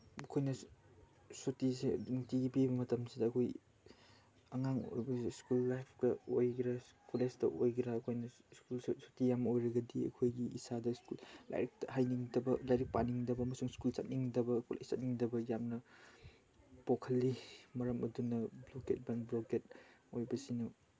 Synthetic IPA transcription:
ɐkʰojnɐ | sotisediŋtibibɐmɐtɐmsidɐːkʰoj | ɐŋaŋo̰jbɐskulːajpʰkɐojɡɾaskulestɐʔojɡɾaːkʰojnɐ | skulsotijamojɾɐɡɐdiɐ̰kʰojɡiʔːsadɐskulla̰jɾik̚tɐɦajniŋdɐbɐlajɾik̚pa̰niŋdɐbɐːmɐsuŋskulsat̚niŋdɐbɐkʰulʔa̰j̚sat̚niŋdɐbɐjamnɐ | pokʰɐlːimɐɾɐmɐdunɐbloket̚baŋbloket̚ojbɐsinɐ

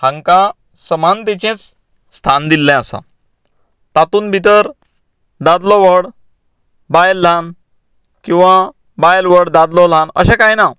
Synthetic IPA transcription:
hãŋka | səmant̪ɛt͡ɕẽt͡s | st̪ʰand̪ilːɛ̃əsa̰ | t̪at̪uːnbʱit̪əɾ | d̪ad̪lɔʋəɽ | bajlːan | kĩw̃ʋa | bajlʋəɽd̪ad̪lɔl̤ãnə̰ɕɛ̃kajna

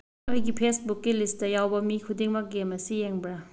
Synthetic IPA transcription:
ɯjɡipʰesbukːilisttɐjawbɐmikʰudiŋmɐɡemɐsijeŋbɾa

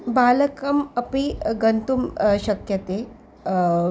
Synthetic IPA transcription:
baləkɐmɐpiɡənt̪umɕɐkjɐt̪e

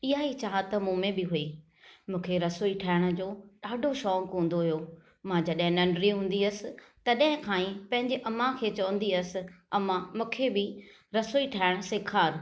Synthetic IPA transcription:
ɪɦait͡ɕaːɦat̪ɐmũːmẽbɪɦuiː | mũːkʰeɾɐsoːiʈʰaːɪɽ̃ʊ̆d͡ʑoːɗaːɖʱoʃɔːkɦũːn̆d̪oɦijo | mãd͡ʑɐɗɦɪ̃nɐɳɖɾiɦũːnd̪iɐsɪ̆t̪ɐɗɦɪ̃kʰãːĩpɐ̃ɦɪ̃ɲd͡ʑeʔɐmːãkʰeːt͡ɕɐʋə̃n̆d̪iɐsɪ̆ɐmãmũːkʰebɪ | ɾɐsoːiʈʰaːɪɽ̃sɪkʰaːɾ

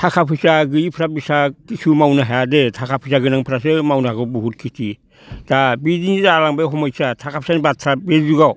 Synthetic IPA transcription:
tʰakʰapʰisaɡɯipʰɾabisakisumawnaɦaadetʰakapʰisaɡɯnaŋpʰɾasɯmawnaɡobuhut̚kʰiti | d̥abidindalaŋbeɦomajsatʰakapsanbatʰɾabed͡ʒuɡa

